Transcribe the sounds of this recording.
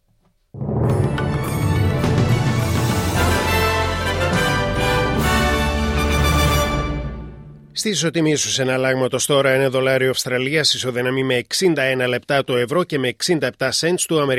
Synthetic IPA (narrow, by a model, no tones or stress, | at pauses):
st̪iiso̞t̪imisusenɐlɐɣmɐt̪o̞st̪o̞ɾɐine̞ðo̞lɐɾiofst̪ɾɐliɐsiso̞ðinɐmime̞ːksind̪ɐe̞nɐle̞pt̪ɐt̪oe̞vɾo̞ce̞meːksind̪ɐep̚t̪ɐse̞nt̪st̪uɐme̞ɾ